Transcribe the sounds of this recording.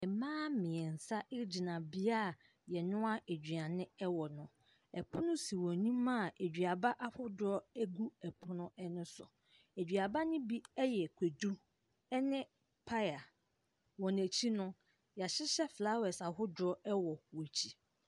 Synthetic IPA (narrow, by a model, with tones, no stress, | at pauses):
ɛ˨mãː˦mɪ̃˨ɛ˨n̩˨sa˦ʔɪ˦d͡ʑi˨nã˨bi˦a˦˨ | jɛ˨nʊ̃˦a˦e˨d͡ʑᶣɥa˨nɪ̃˦ɛ˦wɔ˨nʊ̃˨ | ɛ˨pʰʊ˦nʊ̃˦si˨wɔ̃˨nĩ˦mã˦˨e˨d͡ʑᶣɥa˨ba˦ʔa˦hʊ˦dʊ˨˦ɾɔ˦æ˦ɡu˦ɛ˨pʰʊ˦nʊ̃˦ɛ˦nɪ̃˦sʊ̰˨ | e˨d͡ʑᶣɥa˨ba˦nɪ̃˦bi˦ɛ˦jɛ˨kʷʰe˨du˦ | ɛ˦nɪ̃˦ | pʰa˦ja˨ | wɔ˨n˨æ˨t͡ɕʰi˦nʊ̃˦ | ja˨ɕɪ˦ɕɛ˦fla˦wɛ˨sa˨ɦʊ˦dʊ˨ɾɔ˦ɛ˦wɔ˨wɔ˨t͡ɕʰi˨